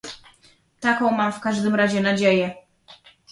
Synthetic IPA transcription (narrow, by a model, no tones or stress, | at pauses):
t̪akɔ̃w̃mamfkaʐd̪ɘmɾaʑɛnad͡ʑejɛ